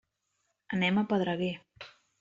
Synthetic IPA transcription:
ənɛməpəðɾəɣe

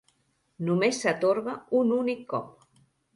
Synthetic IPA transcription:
numesːat̪oɾɣaununikːɔp̚

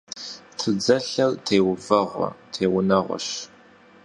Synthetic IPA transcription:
tʰɨd͡zɐɬɐrtʰeːwvɐʁʷɔ̰tʰeːwʊnɐʁʷɔ̰ɕ

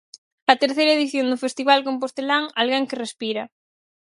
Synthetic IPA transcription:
ɐt̪eɾθejɾaeðiθjond̪ʊfest̪iβalkomp̬ost̪elaŋalɣeŋkerespiɾɐ

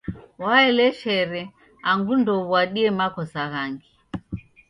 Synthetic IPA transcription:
waɛlɛʃɛɾɛ | aŋɡundɔβwaɗiɛmakɔsaɣaŋɡi

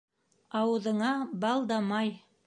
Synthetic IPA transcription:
ɑwɤ̆ðɤ̆ɴɑbɑlˠd̪ɑmɑj

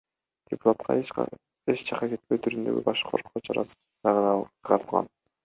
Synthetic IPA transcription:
d̪̥ʲɪpu̥t̪at̪qʰɑ̰ | et͡ʃt͡ʃʰɑqɑset̪̚pøjt̪ʰyɾynd̪ø̞̰ɡʲḭbɑʃqoɾqʰoːt͡ʃʰɑ̰ɾɑ̰s | t͡ʃɑʁʁɑɾɯlˠʁɑ̰n

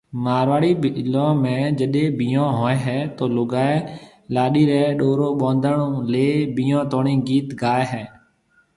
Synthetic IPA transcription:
maːɾʋaːɽiːlãːmẽːd͡ʒəɗẽːbiːjãːɦoːeːɦɛːt̪oːlʊɡaːeː | laːɗiːɾeɛɗoːɾoːɓõːnd̪ʱəɳõːleːbiːãːt̪oːɳĩːɡiːt̪ɡaːeːɦɛː

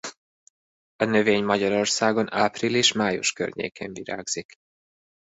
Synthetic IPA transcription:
ɒnø̞veːɲmɒɟɒɾo̞rsaːɡo̞naːprileːʃmaːjṵʃkø̰rɲḛːkḛːɱviɾa̰ːɡz̥ik

